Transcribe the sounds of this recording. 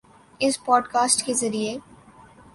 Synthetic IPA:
ɪspɔːɖkaːsʈkezɐɾie

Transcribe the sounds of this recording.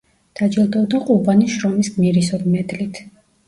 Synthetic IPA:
d̪̥ad͡ʒilˠd̪ɔbd̪aqʼubaniʃɾɔmisɡmiɾisɔɾimɛd̪lit̪ʰ

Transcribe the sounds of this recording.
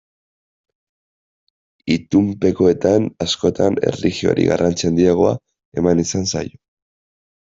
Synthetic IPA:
it̪umpe̞koe̞t̪anasko̞t̪ane̞̰rixio̞̰ɾḭɣa̰rant͡sieand̪iaɣo̞a̰ | e̞manisansa̰jo

